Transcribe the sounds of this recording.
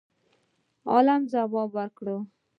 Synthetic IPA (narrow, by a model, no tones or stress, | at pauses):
ɑ̰lamzawɑbwaɾkɽo